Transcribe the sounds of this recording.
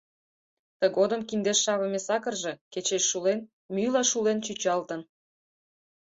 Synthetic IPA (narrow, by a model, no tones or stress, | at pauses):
t̪əɣod̪ə̆mkind̪eʃːɑβə̆mesɑkə̆rʒe̽ket͡ɕeʃːulen | mylɑʃulent͡ɕyt͡ɕɑlt̪ən